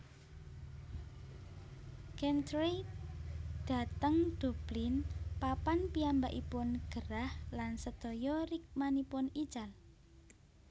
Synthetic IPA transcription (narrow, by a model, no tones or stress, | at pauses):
kɛnt̪ɾe | d̪̥a̤t̪əŋd̪̥o̤b̥lɪnpapanpiambaʔipʊnɡ̥əɾahlansəd̪̥ɔjɔɾɪk̚manipʊnid̥ʒ̥al